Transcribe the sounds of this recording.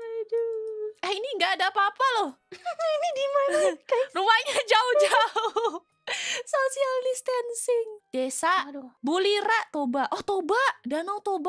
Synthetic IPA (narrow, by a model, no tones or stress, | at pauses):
aduahiniŋɡaːdaːpaapalɔh | inidimarumaɲad͡ʒaʊhd͡ʒaʊh | sosialdist̪ansɪŋd̥esaʔbuliɾaʔt̪obaʔɔht̪obaʔdanawt̪oba